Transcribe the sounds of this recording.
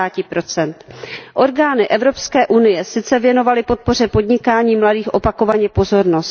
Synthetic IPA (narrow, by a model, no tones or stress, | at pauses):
aːcɪpɾo̞t͡sɛnt̪ʔo̞ɾɡaːnɪʔɛvɾo̞pskɛːʔunɪjɛsɪt͡sɛvjɛno̞valɪpo̞t̪̚po̞r̝ɛpo̞dɲɪkaːɲiːmladiːxʔo̞pako̞vaɲɛpo̞zo̞ɾno̞st